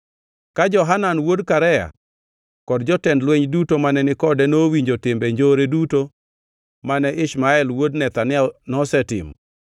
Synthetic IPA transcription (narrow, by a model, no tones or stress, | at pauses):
kad͡ʒɔɦananwodkaɾɛja̰ | kɔdd͡ʒɔtɛndlwɛɲdutomanɛnɪkɔdɛnowiɲd͡ʒotɪmbeɲd͡ʒoɾeduto | manɛʔɪʃmaɛlwodnɛt̪anɪɛnɔsɛtɪ̰m